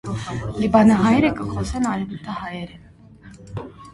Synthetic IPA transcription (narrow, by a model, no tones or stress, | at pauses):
libɑnɑɦɑjɛɾɛkəχɔsɛnɑɾɛvut̪ʰɑhɑjɛɾɛn